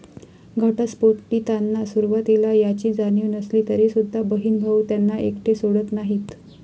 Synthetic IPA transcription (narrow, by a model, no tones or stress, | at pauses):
ɡʱəʈaspoɾʈːiːt̪anːasuɾʋat̪ilajat͡ɕiːd͡zanjuːnəsliːt̪əɾesud̪ʱːabəɦiːnɡʱaut̪janːaʔekʈʰesoɽət̪naɦiːt̪